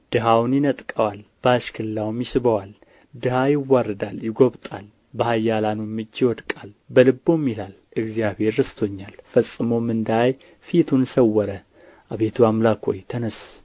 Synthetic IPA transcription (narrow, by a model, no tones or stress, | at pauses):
d̪̥ɨɦawnjɪnət̪ʼkʼəwalb̥əaʃkʰɨlɨlːawmjɪsɨβəwal | d̪ɨhajɪwːarɨd̪aljɪɡoβt̪ʼa̰l | bəhajːalanumːɨd͡ʒːɪwɔd̪kʼalbəlɨbːomjilal | ɨɡzijaβhe̞ɾːɨst̪ʰo̞ɲːalfəsʼːɨmomɨnd̪aaj | fit̪ʰunsəwːɔɾə | ʔaβet̪ʰuamlakhojt̪ʰənəs